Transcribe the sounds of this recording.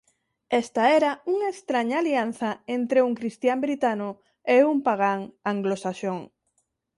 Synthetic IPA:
ɛst̪aɛɾauŋaest̪ɾaɲaːlian̟θɐent̪ɾeuŋkɾist̪jambɾit̪anʊ | eumpaɣaŋaŋɡlosaʃoŋ

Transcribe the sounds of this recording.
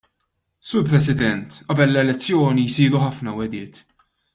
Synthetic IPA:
sʊːɾpɾɛsɪd̪ɛnt̪ʔɐbɛlːɛlɛt͡sːjɔːnijsiːɾuħɐfnɐwɛd̪ɪːt̪

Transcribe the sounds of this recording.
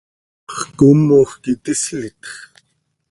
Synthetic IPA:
χkumoːxkit̪islit̪x

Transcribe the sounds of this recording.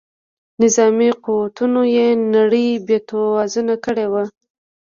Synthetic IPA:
nɪzɑmiquwat̪unojenaɽəjbjet̪owɑzunakəɽewa

